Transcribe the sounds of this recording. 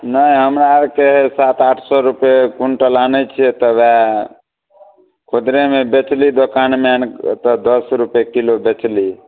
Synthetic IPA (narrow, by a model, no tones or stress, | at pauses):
nəiɦəmɾaɾkeɦesat̪aʈʰsɔɾupekuɳʈəlanɛt͡ʃʰiɛt̪ɔʋɛ | kʰod̪ɾemebet͡ʃlid̪okanmɛnt̪ɔd̪əsɾupekilobet͡ʃli